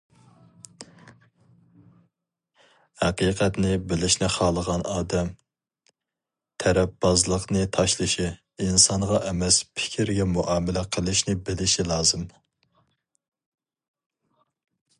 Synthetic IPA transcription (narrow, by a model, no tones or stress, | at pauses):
hæqiqʰɛt̪nɪbɪlɪʃnɪχɑːlˠəʁɑnɑːd̪ɛm | t̪ʰɛɾɛp̚bɑzlˠəqnɨt̪ʰɑʃlˠɨʃi | insɑŋʁɑʔɛmɛspʰɪ̥kʲʰiɾɡʲɛmuʔɑːmɪlɛqʰəlˠɨʃnɪbɪlɪʃilˠɑːzɨm